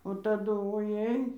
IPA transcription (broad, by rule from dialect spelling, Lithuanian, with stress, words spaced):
oː tɐˈdʊ oːˈjɛɪ